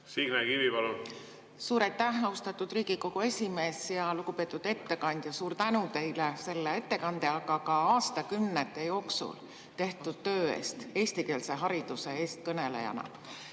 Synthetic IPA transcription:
siɡ̥nekivipɑlu | suːɾɑjt̪ːˑæhɑust̪ɑt̪ːˑud̪̥riːɡ̥iko̞ɡ̥ue̞sʲime̞ːsjɑluɡ̥upe̞ːt̪ːˑud̪̥e̞t̪ːe̞kɑnʲd̪̥jɑsuːɾt̪ænut̪e̞jlese̞lːee̞t̪ːe̞kɑnd̪e̞ɑkɑkɑɑːst̪ɑkymnet̪ːˑe̞jo̞ːksṵl | t̪e̞ht̪ud̪̥̚t̪ø̞ːe̞̰ːst̪e̞ːsʲt̪ike̞ːlse̞ɦɑɾid̪̥use̞e̞ːst̪̚kɤne̞le̞̰jɑ̰nɑ̰

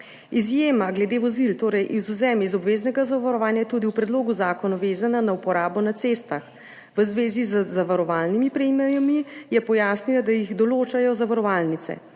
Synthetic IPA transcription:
izjeːmaɡlɛd̪eʋɔzilt̪oːɾɛjʔizuzɛmizɔbʋeːznɛɡazaʋaɾɔʋaːnjat̪uːd̪iupɾɛd̪loːɡuzaːkɔnɔʋeːzananaupɔɾaːbɔnat̪seːst̪ax | ʋəzʋeːzizəzaʋaɾɔʋalnimipɾɛmɛjamijɛpɔjaːsnilad̪ajiɣd̪ɔloːt͡ʃajɔzaʋaɾɔʋalnit̪sɛ̰

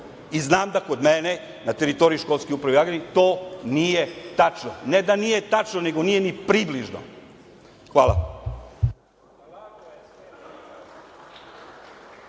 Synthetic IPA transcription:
iznaːmd̪akod̪mene | nat̪e̞ɾit̪o̞ɾijuʃko̞lˠskoupɾaʋiaɡenit̪o̞ːnijet̪at͡ʃnoned̪anije̞t̪at͡ʃnone̞ɡo̞nije̞nipɾibliʒno̰ | xʋa̰ːlˠa̰

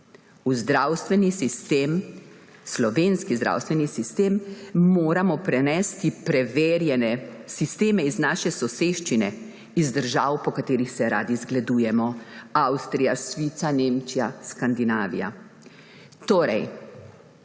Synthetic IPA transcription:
uzd̪ɾaːwst̪ʋɛnisist̪em | slɔʋeːnskizd̪ɾa̰ːwst̪ʋɛnisist̪eːmːoːɾamɔpɾɛnɛst̪ipɾɛʋeːɾjɛnɛsist̪eːmɛiznaːʃɛsɔseːʃt͡ʃinɛ | izd̪əɾʒaːwpɔkat̪eːɾixsɛɾa̰ːd̪izɡlad̪uːjɛmɔawst̪ɾijasʋiːt̪saneːmt͡ʃijaskand̪inaːʋḭja̰ | t̪oːɾɛj

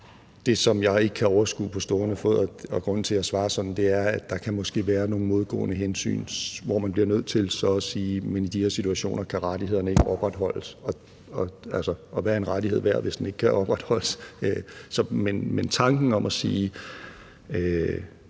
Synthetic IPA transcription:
d̥e̝sɒ̽mjɑ̈ɪe̝ɡ̥əkʰæɒʊɐsɡ̥ṵːpʰɒ̽sd̥o̝ːɐnəfɔð̰ˠɒɒ̽ɡ̥ʁɔ̽n̰n̩t͡sʰe̝læsʋɑ̈ːsɒ̽d̥n̩d̥e̝æɐæd̥ɑ̈kʰæmɒ̽sɡ̥e̝̰ːʋæːɐno̝ːŋn̩mo̝ð̞ˠɡ̥ɔ̰ːnəɦensy̰ːnʋɒmænb̥liɐnøð̞̰ˠt͡sʰe̝lsɒ̽siːmenid̥iheɐ̰sit͡sʰuæɕo̝̰ːnɐkʰæʁad̥ihe̝ðˠɐnəe̝ɡ̥əɒ̽b̥ʁad̥ɦɒ̽l̰əsɒ̽ | ɒælsɒʔɒ̽ʋæːɐe̝nʁadihḛʋæɐ̰ʋe̝sd̥ene̝ɡ̥kʰæʔɒ̽b̥ʁad̥hɒ̽l̰əsøsɒ̽menment͡sʰɑ̈ŋɡ̥n̩ɒ̽mʔæsiː | ø

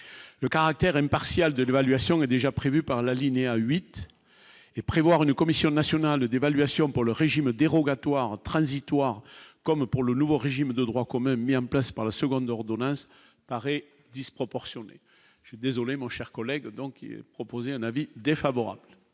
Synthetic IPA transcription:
ləkaʁak̚t̪ɛʁɛ̃mpaʁsjald̪əlevalɥasjɔ̃ɛd̪eʒapχevypaʁlalineaɥit̪ | epχevwaʁynəkɔmisjɔ̃nasjɔnald̪evalɥasjɔ̃puʁləʁeʒimd̪eʁɔɡat̪waʁt̪χɑ̃zit̪waʁkɔmpuʁlənuvoʁeʒimd̪əd̪ʁwakɔmɛ̃miɑ̃plaspaʁlasəɡɔ̃d̪ɔʁd̪ɔnɑ̃s | paʁɛ | d̪ispχɔpɔʁsjɔnḛ | ʒ̥ɛd̪ezɔlemɔ̃ʃɛʁkɔlɛɡd̪ɔ̃ŋkiɛ̰pχɔpozeɛ̃navid̪efavɔʁa̰blə

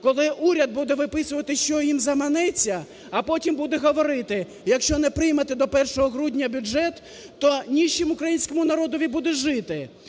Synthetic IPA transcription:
kɔlˠɪʔuɾʲɐd̪̚bud̪ɛʋɪpɪsʊʋɐt̪ɪʃt͡ʃɔjimzɐmɐnɛt͡sʲːɐ | ɐpɔtʲimbud̪ɛɦɔʋɔɾɪt̪ɪ | jɐkʃt͡ʃɔnɛpɾɪjmɐt̪ɪd̪ɔpɛrʃɔɦɔɦɾudʲnʲɐbʲʊʒɛt̪ː | ɔnʲiʃt͡ʃɪmʊkɾɐjinʲsʲkɔmʊnɐɾɔd̪ɔʋʲibud̪ɛʒɪt̪ɪ

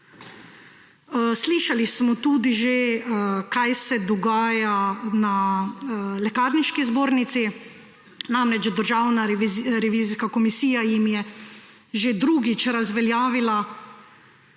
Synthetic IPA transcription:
sliːʃalismɔt̪uːd̪iʒekajsɛd̪ɔɡaːjana | lɛkaːɾniʃkizboːɾnit̪si | namɾɛt͡ʃd̪əɾʒaːwnaɾɾɛʋiːziskakɔmisiːjajimjɛ | ʒed̪ɾuːɡit͡ʃɾazʋɛljaːʋila

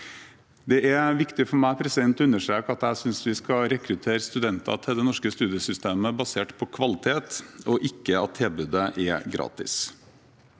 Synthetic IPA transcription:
d̪ɛʔæɾʋɪkt̪ɪfɔɾmæɪpʰɾɛsɪd̪ɛnt̪ɔʉnːəʂʈɾeːkəɑt̪æɪsʏnsʋɪskɑɾɛkɾʉt̪ʰeːɾəst̪ʉd̪ɛnt̪ɑ̰t̪ʰɪld̪ɛnɔʂkəst̪ʉːd̪ɪjəsʏst̪eːməbɑseːʈpʰɔkʰʋɑlɪt̪ʰeːt̪ɔʔɪkːəɑt̪ʰːɪlbʉd̪əʔɛɾɡɾɑ̰ːt̪ɪ̰s

